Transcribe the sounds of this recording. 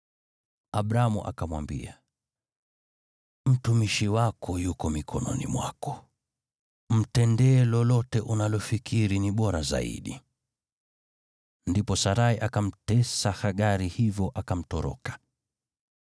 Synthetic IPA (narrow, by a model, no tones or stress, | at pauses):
aɓɾamuʔa̰kamwa̰mbḭa | m̩tumiʃiwakʰɔjukɔmikʰɔnɔ̰nḭmwa̰kɔ̥ | m̩tɛndɛːlɔlɔtɛʔunalɔfikʰiɾiniɓɔɾaza̰ḭɗi | ndipɔsaɾaiʔakam̩tɛsahaɠaɾihivjɔʔakam̩tɔɾɔ̰kḁ